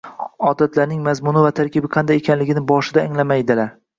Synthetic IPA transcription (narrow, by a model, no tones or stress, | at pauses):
ɒd̪at̪laɾnɪŋmazmʊnɪvat̪ʰaɾkʲɪbɪqʰɑnd̪ajekʰʲanlɪɡʲɪnɪbɒʃɪd̪aɪŋlamajd̪ɪlaɾ